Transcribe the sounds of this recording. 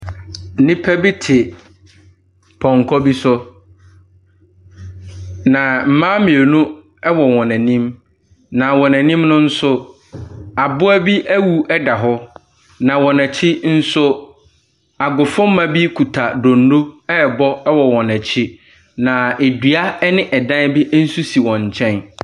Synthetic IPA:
nɪ̃˦pʰæ˦bi˦tʰɪ˨ | pʰɔ̃˨ŋ˨kʰɔ˦bi˦sʊ˦ | nã˨m̩˨mã˦mɪ̃˨e˨nũ˦ | ɛ˦wɔ˨wɔ̃˨næ̃˨nĩ˦m | nã˨wɔ̃˨næ̃˨nĩ˦mnʊ̃˦n̩˦sʊ˦ | a˨bʊ˦æ˦bi˦ʔæ˦wu˨ɛ˦da˨ɦɔ˦ | nã˨wɔ̃˨næ˨t͡ɕʰɪ˦n̩˦sʊ˦ | a˨ɡʊ˨fʊ̃˦m̩˦mã˦bi˦kʰu˨tʰa˨do˨nːo˦ɛ˦˨bɔ˦ɛ˦wɔ˨wɔ̃˨næ̃˨t͡ɕʰɪ˦ | nã˨e˨dɥa˦nɪ̃˦ʔɛ˨dã˦bɪ˦ʔn̩˦su˦si˨wɔ̃˨ɲ̩˨t͡ɕʰɛ̃˦n

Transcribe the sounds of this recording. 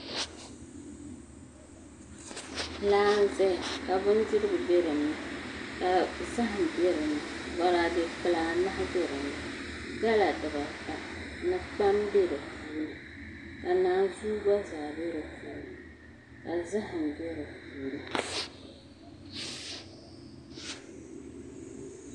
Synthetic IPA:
laː˦zɛ˦˨ka˨bʊ˦n˦dɨ˦ɾɨ˦bɨ˨bɛ˦ɾɨ˨nɨ˦ka˨za˦ɦɨ˨bɛ˦ɾɨ˨nɨ˨ | wa˦la˦de˦k͡pɨ˦laː˦ma˦ha˦be˦ɾɨ˨nɨ˨ | ɡa˦la˨dɨ˨ba˨ta˨nɨ˦k͡pa˦mbe˦ɾɨ˨fuː˦nɨ˨ | ka˨naː˦˨zuː˦ba˦zaː˨be˦ɾɨ˨fuː˨˦n˨ | ka˨za˦ɦɨ˨n˨bɛ˦ɾɨ˨fuː˦nɨ˨

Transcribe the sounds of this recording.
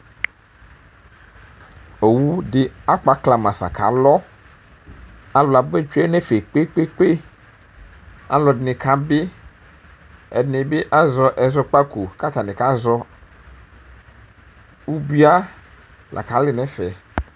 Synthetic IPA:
o˨wu˦ɖɪ˦a˦k͡pa˨˦kla˨mã˨sa̰˨kʰa̰˨˦lɔ˦ | a˦lɔ˨a˨be˦t͡ʃu˦e˦ne˦fe˨k͡pe˦k͡pe˦k͡pe˦ | a̰˦lɔ˨dnĩ˨kʰa˦be˦ | ɛ̰˨dnĩ˨be˦ʔa˦zɔ˦ʔɛ˨zɔ˦k͡pa˦ku˨ka˦t̪a˨nĩ˨ka˦zɔ˦ | u˦bi˦a˦ | lʔa̰˨ka˨˦lɪ˦nɛ̃˦fɛ˨

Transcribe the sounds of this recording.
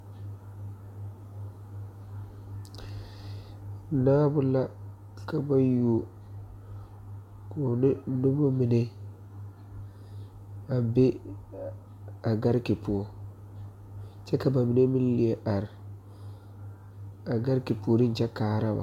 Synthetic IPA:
naː˦bʊ˦la˦ | ka˨ba˦ju˨o˨ | ko˨nɪ˦nʊ˦bʊ˦mi˨ne˦ | a˨be˦ | a˨ɡa˦ɾki˨pu˨o˨ | t͡ʃɛ˦ka˨ba˨mi˨ne˦mi˦n˦lɪ˨e˨ʔa˨ɾɪ˨ | a˨ɡa˦ɾki˨po˨ɾɪ˦n˨t͡ʃɛ˦kaː˨˦˨ɾa˦ba̰˨

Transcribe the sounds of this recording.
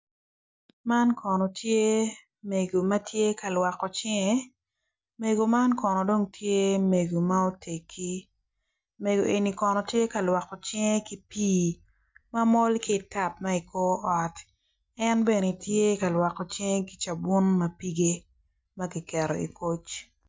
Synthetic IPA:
ma˦nkʰɔ˨nɔ˨tje˦ | me˨ɡo˨mɐ˦tʰje˦ka˨lwa˨kːɔ˨t͡ʃɪ˦ŋe˦ | me˨ɡo˨ma˦nkɔ˨nɔ˨do˦ŋtʰje˦me˨ɡo˨ma˦o˦te˨kʰːi˦ | me˨ɡo˨ʔe˨ni˨kɔ˨nɔ˨tje˦ka˨lwa˨kːɔ˨t͡ʃɪ˦ŋe˦ki˨piː˦ | ma˦mɔ˦lkɪ˨ta˨p̚ma˦i˨ko˦ʔɔ˨t | ɛ˦nbe˨ne˨tje˦ka˨lwa˨kɔ˨t͡ʃɪ˦ŋe˦ki̥˨t͡ʃa˨bu˦nmɐ˨pi˦ɡe˦ | mɐ˦ɡi˨kɛ˨ɾo̰˨ḭ˨ko˦t͡ʃ

